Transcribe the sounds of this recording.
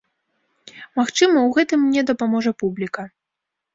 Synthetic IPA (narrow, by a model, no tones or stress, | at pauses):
maxt͡ʂɨmɐwɣɛt̪ɨmnʲɛd̪ɐpamɔʐɐpublʲikɐ